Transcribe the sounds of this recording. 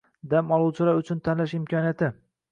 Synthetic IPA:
d̪amɒlˠuwt͡ʃʰɪlaɾʊt͡ʃʰʊnt̪ʰanlaʃɪmkʰɒnijat̪ʰɪ

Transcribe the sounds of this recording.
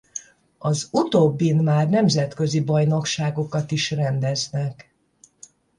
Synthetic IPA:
ɒzut̪oːbːinmaːrnɛmzɛt̪kø̞zibɒjno̞kʃaːɡo̞kɒt̪iʃrɛnd̪ɛznɛk

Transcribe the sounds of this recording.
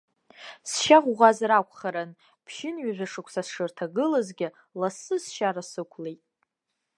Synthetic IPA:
sʃaʁʷʁʷazɾakʷʰʼχaɾan | pʰʃɪnɥaʒᶣʷaʂɨkʷʰsasʂɨrtʰaɡɨlazɡʲɪ | lasɨsʃaɾasɨkʷʰlejtʼ

